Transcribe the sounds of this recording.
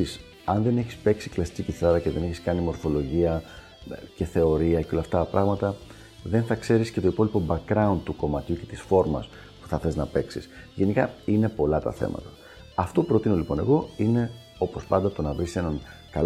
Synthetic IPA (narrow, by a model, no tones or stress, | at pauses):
is | ɐnðe̞ne̞çispe̞ksi̥klɐsi̥ciciθɐɾɐceðe̞neçiskɐnimo̞ɾfo̞lo̞ʝiɐ | ce̞θe̞o̞ɾiɐceo̞lɐft̪ɐpɾɐɣmɐt̪ɐ | ðe̞nθɐkse̞ɾisce̞t̪oipo̞lipo̞bɐk̚ɾɐund̪̚t̪uko̞mɐt̪juce̞t̪isfo̞ɾmɐ̰s | pu̥θɐθe̞znɐpe̞ksis | ʝe̞nikɐine̞po̞lɐt̪ɐ̰θe̞̰mɐ̰t̪ɐ̥ | ɐft̪o̞pɾo̞t̪ino̞lipo̞ne̞̰ɣo̞ine̞ | o̞po̞spɐnd̪ɐt̪o̞nɐvɾise̞nɐŋkɐl